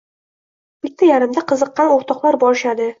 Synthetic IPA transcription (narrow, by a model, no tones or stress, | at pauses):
b̥ɪt̪ʰːajaɾɪmd̪aqʰɨzɤqːɑnoɾt̪ʰɒqlˠaɾbɒɾɪʃad̪ɪ